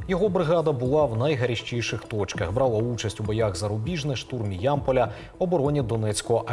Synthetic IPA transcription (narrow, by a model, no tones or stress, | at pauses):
jɔɦɔbɾɪɣɑd̪ɐbʊlˠɑwnɐjɦɐɾʲiʃt͡ʃijʃɪxt̪ɔt͡ʃkɐxbɾɑlˠɐut͡ʃɐsʲtʲubɔjaɣzɐɾʊbʲiʒnɪʃt̪urmʲijɑmpɔlʲɐ | ɔbɔɾɔnʲid̪ɔnɛt͡sʲkɔɦɔʔɐ